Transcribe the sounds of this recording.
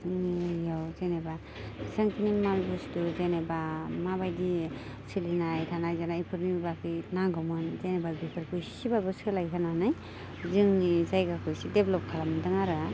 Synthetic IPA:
zɯŋnijawzeneba | saŋkʰinimalbɔstuzenebamabajdi | silinajtʰanajzanaipʰɯɾnibakʰɯjnaɡɔmɯnzenebabipʰɯɾkʰɯjsibabɔskʰɯlajkʰananaj | zɯŋnizajɡakʰɯjsideblɔp̚kʰalamdɯŋaɾɯ

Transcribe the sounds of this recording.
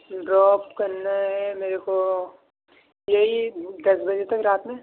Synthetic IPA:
ɖɾɔːp̚kɐɾnaɦɛmeːɾeko | jɐɦid̪ɐsbɐd͡ʒet̪ɐkɾaːt̪mẽ

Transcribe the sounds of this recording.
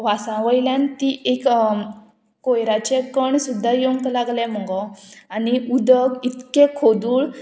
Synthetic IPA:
ʋasãʋəjljãnt̪iʔek | kojɾat͡ɕekəɳsud̪ʱːajoŋklaɡlɛ̃m̤əɡɔaniud̪əɡit̪kekʰod̪uːɭ

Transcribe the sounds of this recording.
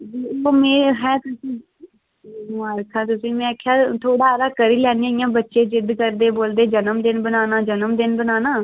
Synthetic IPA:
d͡ʒiːoːmẽːɦɛːt̪ʊsĩː | aːɾkʰãːt̪ʊsĩːmɛ̃ːkʰːjaːt̪ʰoːɽaːɾaːkəɾiːlɛːnĩːɪjãːbətːʃeːd͡ʒɪd̪kəɾd̪eːboːld̪eːd͡ʒənəmd̪ɪnbənaːnaːd͡ʒənəmd̪ɪnbənaːnaː

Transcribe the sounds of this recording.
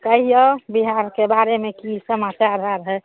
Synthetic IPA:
kəɦijɔbiɦaɾkebaɾemekisəmat͡ʃaɾɦaɾɦɛ

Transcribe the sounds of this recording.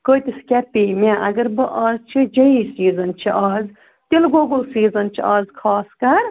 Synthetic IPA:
kəit̪iskʲɛpimʲãʔɐɡɐɾbɨʔɐːzt͡ʃʰid͡ʒɐisiːzɐnt͡ʃʰiʔaːz | t̪elɡoːɡəlsiːzɐnt͡ʃʰiʔɐːzkʰaːskɐɾ

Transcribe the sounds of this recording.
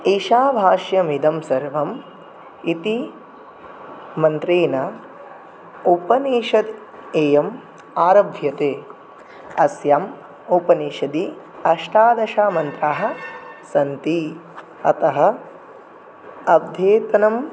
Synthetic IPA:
iːʃaːbʱaːʃjɐmid̪ɐmsɐɾʋɐm | it̪i | mɐnt̪ɾeːnɐ | upɐniːʃɐd̪ | eːjɐm | aːɾɐbʱjɐt̪eː | ɐsjam | upɐniːʃɐd̪i | ɐʃʈaːd̪ɐʃaːmɐnt̪ɾaːɦɐ̆sɐnt̪i | ɐ̰t̪ɐɦɐ̆ | ɐb̚d̪ʱeːt̪ɐnɐm

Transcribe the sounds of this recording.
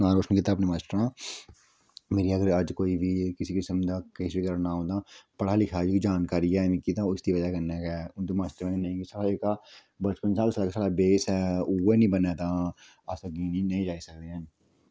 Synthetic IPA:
nãːɾoːʃənkiːt̪aːpneːmaːsʈɾãː | meːɾiːəɡəɾəd͡ʒkoːiːbiːkɪsiːkɪsəmd̪aːkeːsbiːkəɾnaːɦõːnd̪aːpəɽaːlɪkʰaːd͡ʒikid͡ʒaːnkaːɾiɛːmĩkiːt̪ãːʊsd̪iːʋəd͡ʒaːkəneːkɛːʊnd̪oːmaːsʈ̪əɾmɛ̃nnə̃ĩkisaaeːkaː | bət͡ʃkənsaːbsaːɾaːkesaːɽaːbeːsɛːuːeːnĩːbənɛːt̪aː | asaɡiːnĩnəĩːd͡ʒaːiːsək̚d̪eːə̃

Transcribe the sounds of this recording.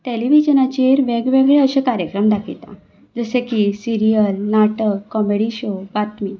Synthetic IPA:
t̪eliʋid͡ʑənat͡ɕeɾʋeɡʋeɡɭeəɕẽkaɾjəkɾəmd̪akʰit̪ã̰ | d͡zəsekisiɾijəlnaʈəkːɔmeɽiɕobat̪mi

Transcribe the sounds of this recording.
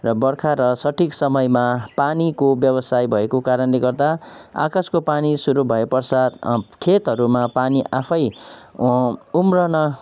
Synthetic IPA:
rʌbʌrkʰaɾʌsʌʈʰiksʌmʌjmapanikobjʌbʌsajbʱʌekokaɾʌnleɡʌrd̪aa̰kaskopanisuɾubʱʌepʌrsat̪kʰet̪ɦʌɾumapaniʔapʰʌj | umrʌnʌ

